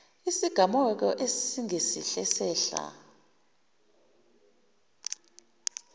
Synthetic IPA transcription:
isiɡ̥ʱamɔɛk̬ɔʔessiŋesḭɬɛsɛːɬa̰

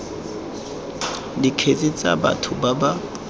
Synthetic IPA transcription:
dikʰet͡sʼit͡sʼa̰ba̰tʰʊbaba

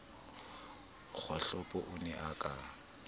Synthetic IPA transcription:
k͡xʰɔɬɔpʼɔʔʊnɛʔakʼa

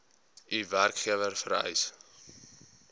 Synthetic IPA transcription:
ʔiværkχiəvərfəɾœ̰js

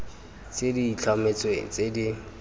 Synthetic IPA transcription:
t͡sʼediit͡ɬʰamet͡sʼwḛt͡sʼedi

